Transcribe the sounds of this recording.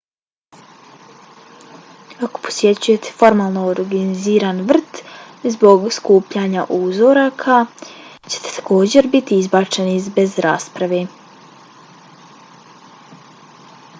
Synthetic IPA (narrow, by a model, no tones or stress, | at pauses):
ako̞̥pʰosje̞t͡ɕuje̞t̪ʰe̥fo̞ɾmaːlˠnooɾɡiniziːɾanʋr̩t̪ | zbo̞ɡskuːpʎaɲaʔuːzo̞ɾakʰat͡ɕe̥t̪e̥t̪ḁko̞ːd͡ʑe̞ɾbit̪iizbat͡ʃe̞niizbe̞zɾa̰ːspɾaʋe